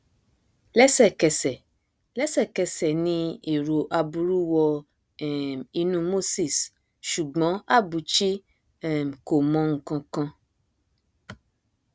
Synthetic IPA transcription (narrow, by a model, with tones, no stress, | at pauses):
lɛ˦sɛ˦˨kɛ˨sɛ˨ | lɛ˦sɛ˦˨kɛ˧sɛ˨nĩ˧e˨ɾo˨ʔa˧bu˧ɾu˦wɔ˧ | ɛ˦˨mi˧nũ˦mo˦si˦˨s | ʃu˨ɡ͡bɔ̃˨˦a˦˨bu˨t͡ʃi˦ | ɛ˦˨m˨ko˨mɔ̃˨˧ŋ̩˨kɔ̃˧kɔ̃˧